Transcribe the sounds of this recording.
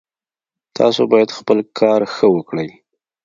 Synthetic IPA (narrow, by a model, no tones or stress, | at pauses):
t̪ʰɑ̰sobɑjad̪xpəlkʰɑɾxəwəkɽəj